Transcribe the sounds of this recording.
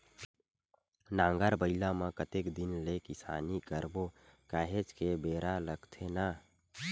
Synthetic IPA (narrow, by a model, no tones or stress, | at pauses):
nãːŋɡaɾbəɪlamãkət̪ekd̪ɪnlekɪsa̰ːnikəɾbokaːɦet͡ʃkebeːɾaləɡt̪ʰena